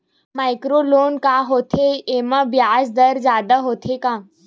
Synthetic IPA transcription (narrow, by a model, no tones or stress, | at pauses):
majkɾolonkaɦot̪ʰeeʋabjad͡zd̪əɾd͡zad̪əɦot̪ʰekã